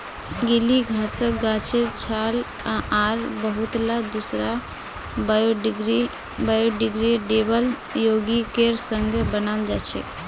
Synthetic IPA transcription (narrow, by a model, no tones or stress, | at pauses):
ɡiliɡʱasək̚ɡat͡ʃʰeɾt͡ʃʰal | aʔaɾbəɦut̪lad̪usɾa | oɡɾi | bajoɖiɡɾiɖebəl | joɡikeɾsə̃ŋɡʱbənald͡ʒat͡ʃʰɛ̰